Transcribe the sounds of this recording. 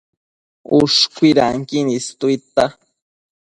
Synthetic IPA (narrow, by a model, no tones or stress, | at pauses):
uʂkʷiɾa̰ŋkinist̪uit̪a